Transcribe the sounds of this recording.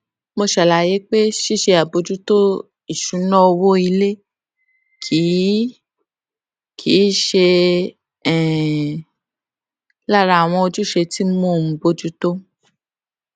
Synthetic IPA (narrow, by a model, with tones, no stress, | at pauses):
mo˧ʃɛ˨la˨je˨˦k͡pe˦ʃi˦˨ʃe˧a˨bo˨˧d͡ʒu˦to˦ | i˨ʃũ˨˦nɔ̃˦˧wo˦i˧le˦ | kʰi˨˦ | kʰi˨˦ʃe˧ | ɛ˨ | la˦˨ɾa˧a˨w̃ɔ̃˧o˧d͡ʒu˦ʃe˧ti˦mo˦˨m̩˨˦bo˧d͡ʒu˦to˦